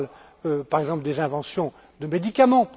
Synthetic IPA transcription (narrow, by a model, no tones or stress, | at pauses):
l | øpaʁɛɡzɑ̃pld̪ezɛ̃vɑ̃sjɔ̃ | d̪əmed̪ikamɑ̃